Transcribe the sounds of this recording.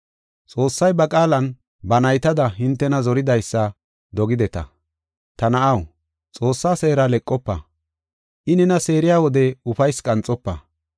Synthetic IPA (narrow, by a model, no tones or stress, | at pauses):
t͡sʼo̞ːsːɐjbɐkʼaːlɐn | bɐnɐjt̪ɐd̪ɐɦɪnt̪ːɛnɐzɔɾɪd̪ɐjsːɐ | d̪ɔɡɪd̪ɛt̪ɐ̰ | t̪ɐnɐʔɐw | t͡sʼo̞ːsːaːse̞ːɾalɛkʼːɔpːɐ̰ | ʔɪnɛnɐse̞ːɾɪjaːwɔd̪ɛʊfɐjskʼɐnt͡sʼːɔpːɐ̰